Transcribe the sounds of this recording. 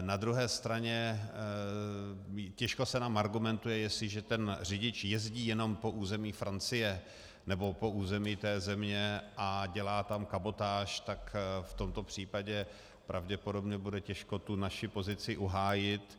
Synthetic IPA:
nad̪ɾuɦɛːst̪ɾaɲɛ | cɛʃkosɛnaːmaɾɡumɛnt̪ujɛjɛsɪʒɛt̪ɛnr̝ɪɟɪt͡ʃjɛzɟiːjɛno̞mpo̞ʔuːzɛmiːfɾʔant͡sɪjɛ | nɛbo̞po̞ʔuːzɛmiːt̪ɛːzɛmɲɛʔaɟɛlaːt̪amkabo̞t̪aːʃt̪akft̪o̞mt̪o̞pr̝̥iːpaɟɛ | pɾʔavɟɛpodo̞bɲɛbudɛcɛʃko̞t̪unaʃɪpo̞zɪt͡sɪʔuɦaːjɪt̪

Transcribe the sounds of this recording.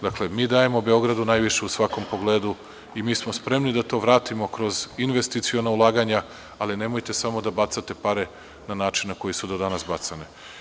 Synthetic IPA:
d̪akle̞miːd̪aje̞mo̞be̞o̞ɡɾad̪unajʋiʃe̞usʋako̞mpo̞ɡleːd̪u | imiːsmo̞spɾe̞mnid̪at̪o̞ːʋɾaːt̪imo̞kɾo̞zinʋe̞st̪it̪sionaulˠaːɡaɲa | aline̞mo̞jt̪e̞samo̞d̪abat̪sat̪e̞paɾe̞ | nanaːt͡ʃinnako̞jisud̪o̞d̪anasbat̪sani

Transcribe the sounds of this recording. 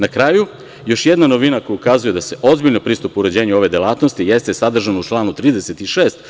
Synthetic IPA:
nakɾaːju | jo̞ʃjed̪nano̞ʋinako̞jukaːzuje̞d̪ase̞ʔo̞zbiʎnopɾiːst̪upuɾe̞d͡ʑeːɲuo̞ʋe̞d̪elˠaːt̪no̞st̪ijest̪esad̪r̩ʒanaut͡ʃlˠaːnut̪ɾiːd̪ese̞t̪iʃeːst̪

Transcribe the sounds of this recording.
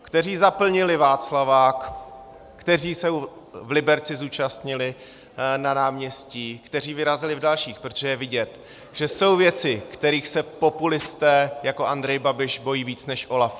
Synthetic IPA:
kt̪ɛr̝iːzapl̩ɲɪlɪvaːt͡slavaːkː | t̪ɛriːsowvlɪbɛɾt͡sɪzuːt͡ʃast̪ɲɪlɪ | nanaːmɲɛsciːkt̪ɛr̝iːvɪɾazɪlɪvdalʃiːxpɾot̪oʒɛjɛvɪɟɛt̪ | ʒ̥ɛso̞wvjɛt͡sɪkt̪ɛɾiːxsɛpo̞pulɪst̪ɛːjako̞ʔand̪ɾɛjbabɪʃbo̞jiːviːt͡snɛʃʔo̞laf

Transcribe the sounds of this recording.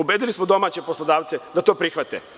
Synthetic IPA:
ubed̪ilismod̪o̞maːt͡ɕepo̞slˠod̪aːʋt̪sed̪at̪o̞ːpɾixʋat̪ḛ

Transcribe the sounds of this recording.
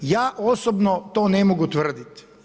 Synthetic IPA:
jaːʔosobnot̪oːnemoɡut̪ʋr̩d̪it̪

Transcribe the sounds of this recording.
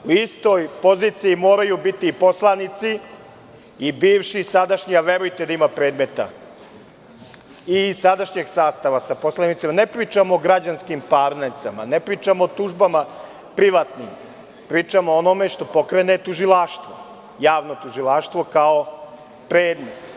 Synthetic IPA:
uist̪o̞jpo̞ziːt̪sijimoːɾajubit̪iːpo̞slˠanit̪siː | biːʋʃisad̪aʃɲiaʋe̞ɾujt̪ed̪aimapɾe̞ːd̪me̞t̪a̰ | isad̪aʃɲeɡsaːst̪aʋasapo̞slanit̪simanepɾiːt͡ʂamoːɡɾad͡ʑanskimpaɾneɾt̪sama̰nepɾiːt͡ʂamoːt̪uʒbama | pɾiʋat̪nim | pɾiːt͡ʂamoonome̞ʃt̪o̞po̞kɾenet̪uʒilˠaʃt̪ʋo̰ | jaːʋno̞t̪uʒilˠaʃt̪ʋo̞kao̞ | pɾe̞ːd̪met̪

